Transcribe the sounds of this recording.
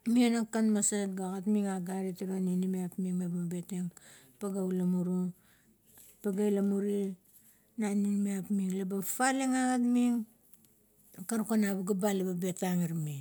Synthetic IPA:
mionakanmasatɡaɡatmiŋaɡaɾitiɾaninimeapmiŋlababeteŋ | paɡawlamuɾu | paɡajlamuɾi | naninimeapmiŋlabafaleŋaɡatmiŋ | kaɾkanabaɡabalebabetaŋiɾmi

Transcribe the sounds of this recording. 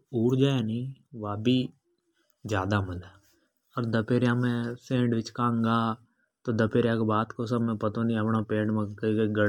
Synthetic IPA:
uːɽd͡ʒaːeːnĩːʋaːbiː | d͡ʒjaːd̪aːməlɛː | ɔːɾd̪əpeːɾjãːmɛ̃ːsẽːɖʋɪt͡ʃkãːŋɡaː | t̪oːd̪əpeːɾjaːkbaːt̪kos̬əbmɛ̃ːpət̪õːnĩəpnaːpẽːɖmẽkːkeɡəɽ

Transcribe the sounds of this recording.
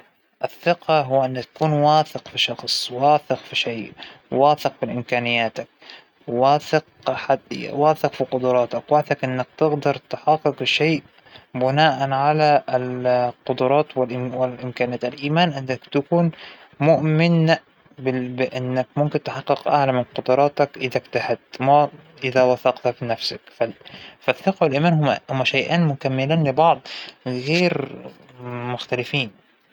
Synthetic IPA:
ʔɪθːɪqɑɦʊwːaʔɪnːakt̪ḁkuːnwaːθɪqfiʃɑxsˤwaːθɪqfiʃeːʔwaːθɪqfiʔɪmkaːnɪjːaːt̪ak̚ | waːθɪq̚ | ħad̪̰waːθɪqfiqʊd̪ʊɾˤɑːt̪akwaːθɪqʔɪnːak̚t̪ɪɣd̪ɑɾˤt̪ħɑqːɨqʃeːʔ | bɪnaːʔanʕalalqʊd̪ʊɾˤɑːt̪wɪlʔwɪʔɪmkaːnaːt̪alʔiːmaːnʔɪnːakt̪akuːn | mʊʔmɪn | bɪbɪʔɪnːakmʊmkɪnt̪ɪħɑqːɨqʔa̰ʕlamɪnqʊd̪ɑɾˤɑːt̪ɑkʔɪðakt̪ahad̪mæʔɪðawɑθɑqt̪hafinafsakfafaθːɪqɑwɪlʔiːmaːnhʊhʊmːæʃajʔaːnmʊkamːɪliːnlɪbɑʕd̪ˤɣeːɾ | mʊxt̪alɪfiːn

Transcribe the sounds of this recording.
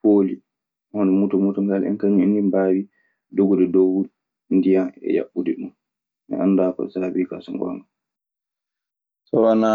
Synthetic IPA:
poːli | ɔndɛmutɔmutɔŋɡalɛ̰nkaŋindimbaːɾi | doɡɔdɛdowu | ndijaɛ̰ja̰ɓːudɛɗun | ʔɛ̰ʔa̰nːdakɔ̰saɾabika̰sɔŋɡɔ̰ŋɡa | sɔwana

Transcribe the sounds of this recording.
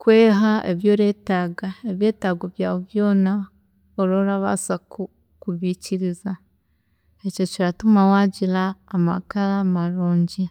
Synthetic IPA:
kweːɦaeβjoːɾe̞ːtaːɡaeβje̞ːtaːɡoβjaːβo̞βjo̞ːna | oɾoːɾaβa̰saku | kuβiciɾiza | eco̞ciɾatumawaːɟiɾaːma̰kaɾamaɾoːɲɟe

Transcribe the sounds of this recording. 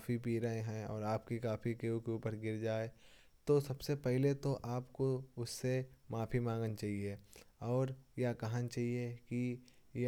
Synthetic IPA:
kaːfipiːɾaːẽɦɛ̃ɔːɾaːpkikaːfikeũkeuːpəɾɡɪɾd͡ʒaːe | t̪osɐbsepɛɦlet̪oʔaːpkoʊsːemaːfimãːŋɡnt͡ʃaːɦieɔːɾjakɐɦãnt͡ʃaːɦiekij

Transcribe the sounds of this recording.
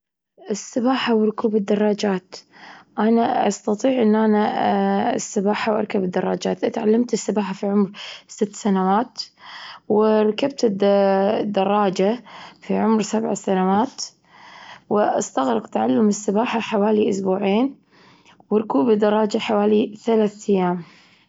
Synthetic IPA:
ʔɪsːɪbaːħawɾʊkuːbɪd̪ːɑrˤːɑːd͡ʒaːt̪ʔanaʔɑ̰st̪ɑt̪ˤiːʕʔɪnːʔana | sːɪbaːħawʔɑɾˤkabɪd̪ːɑrˤːɑːd͡ʒaːt̪ʔat̪ʕalːamt̪ɪsːɪbaːħafiʕʊmɾsɪt̪ːsanawaːt̪ | wɪɾˤɑkab̚t̪ɪd̪d̪ːɑrˤːɑːd͡ʒafiʕʊmɾsabʕa̰sanawaːt̪ | wɪʔɑ̰st̪aɣɾɪqt̪aʕalːʊmɪsːɪbaːħaħawaːliʔʊsbuːʕeːn | wɪɾˤkuːbɪd̪ːɑrˤːɑːd͡ʒaħawaːliθalaːθʔajːaːm

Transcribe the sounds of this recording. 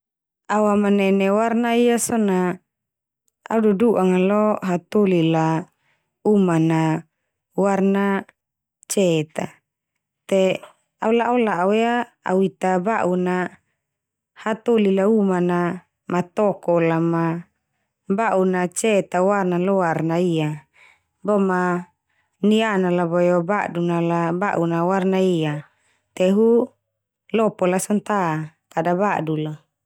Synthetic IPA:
awamanɛnewarnaijasɔna | a̰ududuʔaŋalɔɦat̪olila | umana | warna | t͡ʃɛt̪a | t̪e | aulaʔulaʔawea | a̰uit̪abaʔuna | hat̪olilaumana | mat̪ɔkɔlama | baʔunat͡ʃɛt̪awarnalɔarnaia | bɔma | nianalabɔjobaʔdunalabaʔunawarnaia | t̪ɛɦu | lɔpɔlasɔnt̪a | kadabadula

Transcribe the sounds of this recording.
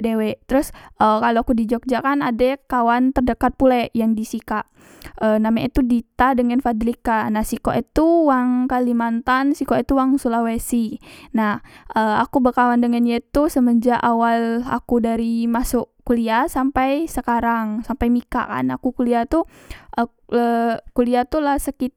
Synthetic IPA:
dewɛt̪əɾusʔəkaloakudid͡ʒɔk̚d͡ʒakanadakawant̪ərdəkat̪̚pulɛʔjaŋdisikaʔ | ənamait̪udit̪adəŋanfad̪ɾikanahsikoʔit̪uwaŋkalimant̪ansikoit̪uwaŋsulawesinahəa̰kubəkawandəŋanjat̪usəməd͡ʒaʔawala̰kudaɾimasʊʔkuliasampajsəkaɾaŋsampajmika̰ʔka̰na̰kukuliat̪u | ʔə | əkuliat̪ulahsəkit̪̚

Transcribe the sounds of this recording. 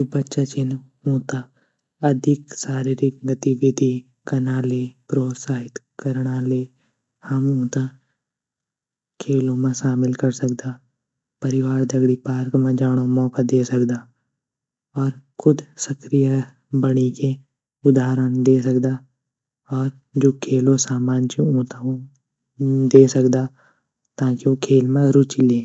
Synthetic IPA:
bɐtːʃat͡ʃɪn | ũːt̪a | ɐd̪ʱɪksaːɾiɾɪk̚ɡət̪ibʱɪt̪i | kɐnaːlepɾoːt̪saːɦɪt̪kəɾɽ̃aleː | hɐmũːt̪a | kʰeːlõmẽʃaːmɪlkɐɾsɐk̚d̪aː | pɐɾɪwaːɾd̪ʱɐɡɽipaːɾkmẽd͡ʒaːɽ̃õmɔːkad̪eːsɐkd̪aː | ɔːɾkʊd̪səkɾija | bəɽike | ʊd̪aːɾəñd̪eːs̬əkd̪aː | ɔːɾ | d͡ʒoːkʰeːlosaːmaːnt͡ʃiũːt̪ã | d̪eːsəkd̪aː | t̪aːkiokʰeːlmẽɾʊt͡ʃileː

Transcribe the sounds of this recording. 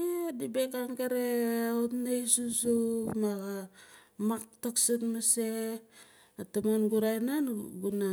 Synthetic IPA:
edibekaŋɡeɾeotnajsusumaɡamaktaksatmase | atamanɡuɾajnanɡuna

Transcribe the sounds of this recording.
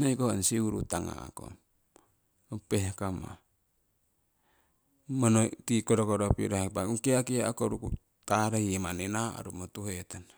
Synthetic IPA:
naikoansiuɾṵt̪aŋa̰a̰ko̰ | apeɦkama̰ | monot̪ikodokoɾopḭɾaapauŋkiakiaakoɾuku | t̪aɾaiemanenaa̰ɾumot̪uɦet̪an

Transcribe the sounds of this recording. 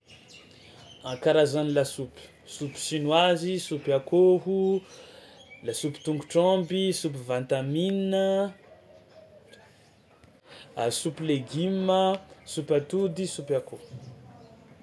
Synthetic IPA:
ãkaɾazanilasupi̥ | supi̥ʃinwazisupiakoɦu | lasupi̥t̪uŋɡuʈ͡ʂãmbisup̬ivãnt̪amininə | supileɡiməsupat̪ud̪isupakohu

